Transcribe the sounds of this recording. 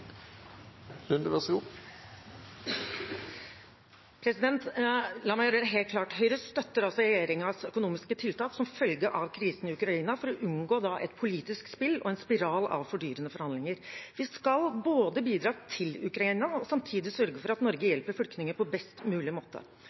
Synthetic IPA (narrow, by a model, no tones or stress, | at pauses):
lʉnd̪əʋɛsɡuː | pʰɾɛsɪd̪ɛnt̪lɑːmæɪːɾəɾəɦeːl̚kʰlɑːʈhœʏɾəst̪œt̪ːəɾɑlsɔɾɛjeːɾɪŋsœkʊnuːmɪskət̪ʰɪlt̪ʰɑːksɔmfœlɡəʔɑʋkʰɾiːsənɪʉkɾɑiːnɑfɔɾɔʔʉnɡoːd̪ɑʔɛ̰t̪pʰʊliːt̪ɪskspɪlːɔ̰ɛnspɪɾɑːlɑ̰ʋfɔɖyːɾənəfɔɾhɑnd̪lɪŋəɾʋɪskɑlboːd̪əbiːd̪ɾɑːt̪ʰɪlʉkɾɑiːnɑɔsɑmt̪ʰiːd̪ɪsœɾɡəfɔɾɑt̪nɔɾɡəjɛlpəɾfʏlknɪŋəpɔbɛst̪mʉːlɪmoːt̪ə̰